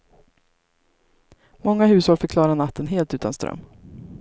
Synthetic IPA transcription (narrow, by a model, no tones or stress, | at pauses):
mɔŋːaɦʉ̟ːshɔlfœɾkʰlɑːɾanat̪ʰːənɦeːlt̪ʉ̟ːt̪ʰanst̪ɾœ̰mː